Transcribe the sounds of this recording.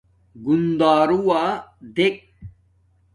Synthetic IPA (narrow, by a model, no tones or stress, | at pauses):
ɡund̪aːɾuwaːd̪ek̚